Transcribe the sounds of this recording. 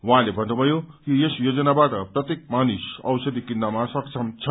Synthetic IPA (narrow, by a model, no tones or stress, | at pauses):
waɦãlebʱʌnːubʱʌjokijesjod͡zʌnabaʈʌprʌt̪jek̚manisʌ̰wsʌd̪ikinːamasʌkt͡sʰʌmt͡sʰʌ